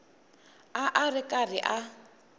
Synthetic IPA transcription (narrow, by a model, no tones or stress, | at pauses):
aʔarɪkʼarɪʔa